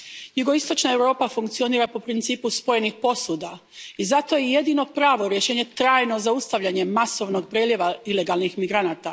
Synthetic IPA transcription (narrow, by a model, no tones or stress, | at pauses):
juɡo̞ist̪o̞t͡ʃnae̞wɾo̞ːpafuŋkt̪sio̞niːɾapo̞pɾint̪siːpuspo̞je̞nixpo̞sud̪a | izat̪o̞jeje̞d̪iːno̞pɾaːʋo̞ɾje̞ʃeːɲe̞t̪ɾaːjno̞zaust̪aʋʎaɲe̞maso̞ʋno̞ɡpɾeljeʋaile̞ɡalˠnixmiɡɾanaːt̪a